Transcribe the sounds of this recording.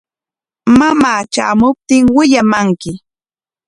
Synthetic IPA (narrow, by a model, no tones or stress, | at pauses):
mamaːt͡ʃa̰ːmʊp̚t̪ɪŋwɪʎamaŋkɪ